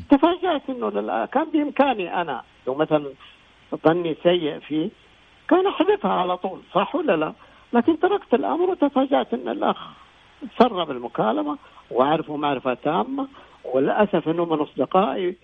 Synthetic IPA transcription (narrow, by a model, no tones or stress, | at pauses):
t̪afaːd͡ʒaʕt̪ʔɪnːʊlɪlʔa̰kaːnbɪʔɪmkaːniʔana̰ | lawmaθalan | ðˤɑnːisajːɪʔfiː | kaːnaħad̪ɪfhaʕalat̪ˤuːlsˤɑħːwalːala | laːkɪnt̪ɑɾˤɑkt̪ɪlʔa̰mɾwɪt̪afaːd͡ʒaʕt̪ʔɪnːɪ̰lʔa̰x | sɑrˤːɑbɪlmʊkaːlamawʔaʕɾɑfumaʕɾɪfat̪aːmːa | wɪlʔasafʔɪnːʊmɪnʔɑsˤd̪ɪqɑːʔi